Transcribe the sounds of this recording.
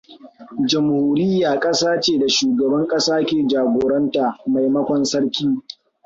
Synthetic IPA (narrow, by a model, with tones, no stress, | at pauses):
d͡ʒɐ˨mhoː˦ɾɪ˦jːaː˨kʼɐ˦saː˦t͡ʃeː˦˨da˨ʃuː˨ɡɐ˨bɐ˦ŋkʼɐ˦saː˦kʲeː˨d͡ʒaː˨ɡʷoː˨ɾɐ˦ntaː˨ma˨jmɐ˦kʷɔ˨nsɐ˦ɽkʲiː˦